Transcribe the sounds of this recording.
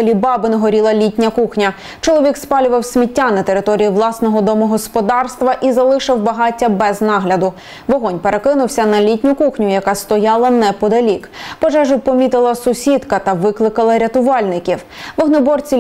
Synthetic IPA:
lʲibɑbɪnɦɔɾʲilˠɐlʲitʲnʲɐkuxnʲɐ | t͡ʃɔlˠɔʋʲikspɑlʲʊʋɐwsʲmʲitʲːanɐt̪eɾɪt̪ɔɾʲijiʋlˠɑsnɔɦɔd̪ɔmʊɦɔspɔd̪ɑrst̪ʋɐʔizɐlˠɪʃɪwbɐɦɑtʲːɐbɛznɑɦlʲɐd̪ʊ | ʋɔɦɔnʲpeɾʔe̞kɪnʊwsʲɐnɐlʲitʲnʲʊkuxnʲʊjɐkɑst̪ɔjɑlˠɐnɛpɔd̪ɐlʲikpɔʒɛʒʊpɔmʲit̪ɪlˠɐsʊsʲid̪kɐt̪ɐʋɪklˠɪkɐlˠɐɾʲɐt̪ʊʋɑlʲnɪkʲiw | ʋɔɦnɔbɔrt͡sʲi

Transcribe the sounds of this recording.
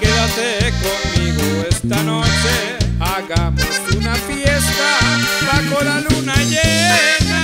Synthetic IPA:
keðasekommiɣoest̪ano̞t͡ʃe | aɣaunafjest̪aβakolalunaʝena

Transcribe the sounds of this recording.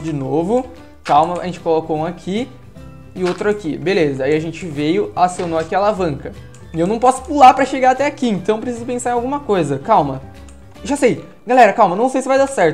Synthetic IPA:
d͡ʒɪnovʊ | kawmɐa̰ʒẽnt͡ʃɪ̥kolokoũakʰi | ɪot̪ɾʊakibelezɐaiɐʒẽnt͡ʃɪvejʊasonoakialavɐ̃ŋkɐ | ɪewnɐ̃w̃pɔsʊ̥pulaɾpɾɐʃeɡaɾat̪ɛakiẽnt̪ɐ̃w̃pɾesizʊpẽsaɾẽawɡũmɐkojzɐkawmɐ | ʒasej | ɡalɛɾɐkawmɐnɐ̃w̃sejsɪvajd̪asɛɾt̪ʊ

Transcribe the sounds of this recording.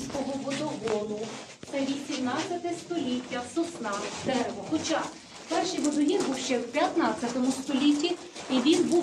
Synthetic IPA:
sʲkɔɦɔʋɔt̪ɔɦɔnʊ | t̪ɐʋʲisʲimnɑt͡sʲɐt̪ɪst̪ɔlʲitʲːɐsʊsnɑd̪ɛɾeʋɔxɔt͡ʃɑ | pɛrʃijʋɔd̪ʊnʲibuwʃt͡ʃɛwpʲjɐt̪nɑt͡sʲːɐt̪ɔmʊst̪ɔlʲitʲːi | iʋʲinbu

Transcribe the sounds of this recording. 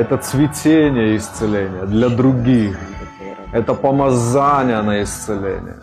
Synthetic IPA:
ɛt̪ət̪svʲɪtʲenʲɪjəɪst̪sɨlʲenʲɪjəd̪lʲɐd̪ɾʊɡʲix | ɛt̪əpəmɐzanʲɪjənəɪst̪sɨlʲḛnʲɪ̰jə̰

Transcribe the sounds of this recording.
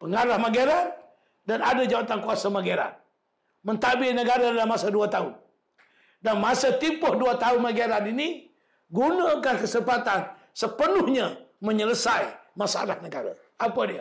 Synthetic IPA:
pəŋaɾahmaɡaɾat̪̚ | danadad͡ʒawat̪ankuasamaɡeɾa̰n̚ | mənt̪abɪnəɡaɾadalamasaduat̪aʊn | danmasət̪ipʊhduat̪aʊnmaɡaɾanini | ɡunakankəsəpat̪an | səpənʊhɲaməɲələsaimasaa̰lahnəɡaɾa̰ | ʔapadia

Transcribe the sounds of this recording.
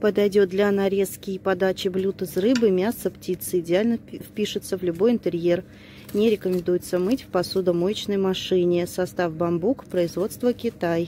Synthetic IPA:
pəd̪ɐjdʲo̞t̪̚d̪lʲanɐɾʲe̞skʲɪpɐd̪at͡ɕɪblʲut̪ɨsrɨbɨmʲasəptʲit̪sɨɪdʲɪalʲnəfpʲiʂɨt̪səvlʲʊbo̞jɪnt̪ɨɾʲje̞r | nʲɪɾʲɪkəmʲɪnd̪ujɪt̪səmɨtʲfʲpɐsud̪əmojt͡ɕnəjmɐʂɨnʲɪsɐst̪afbɐmbukpɾəɪzvo̞t̪st̪vəkʲɪt̪aj

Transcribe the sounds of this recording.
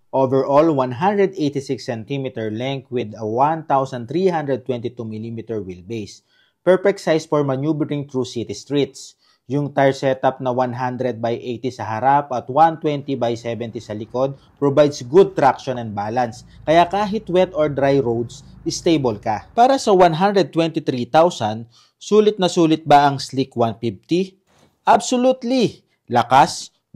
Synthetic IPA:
ʔovɛɹʔolwanɦãnd̪ɾɛd̪ejt̪ɪsɪksɛnt̪imit̪ɛɹlɛŋkwɪd̪ɐwant̪awsɐnt̪ɾihãnd̪ɾɛd̪̚t̪wɛnt̪it̪umilimit̪ɛɹwilbejs | pɛɹpɛksajsfɔɹmɐnjubɛɾɪ̃ŋt̪ɹusit̪ist̪ɹit̪s | jʊŋt̪aɹsɛt̪ɐp̚nɐwanɦand̪ɾɛd̪̚bajʔejt̪isɐɦɐɾapɐt̪want̪wɛnt̪ibajsɛvɛnt̪isɐlɪkod̪̚ | pɹobajd̪sɡʊd̪̚t̪ɾakʃɔnɛnd̪̚baːlɐns | kɐjakaːɦɪt̪wɛt̪ɔɹd̪ɾajɾowd̪s | ʔɪst̪ejbolkɐpaːɾɐsɐwanɦand̪ɾɛd̪̚t̪wɛnt̪ɪt̪ɾit̪awsɐn | suːlɪt̪̚nɐsuːlɪt̪̚bɐʔɐŋslikwanfift̪i | ʔɐbsolut̪li | lɐkas

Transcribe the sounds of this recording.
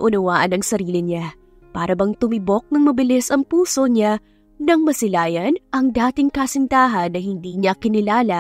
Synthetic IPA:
ʔʊnɐwaːʔɐnɐŋsɐɾiːlɪɲa | paːɾɐbɐŋt̪ʊmɪbo̞k̚nɐŋmɐbɪlɪsɐŋpuːso̞ɲa | nɐŋmɐsɪlaːjɐnʔɐŋd̪aːt̪ɪŋkɐsɪnt̪aːɦɐnːɐhɪnd̪iːɲakɪnɪlaːlɐ

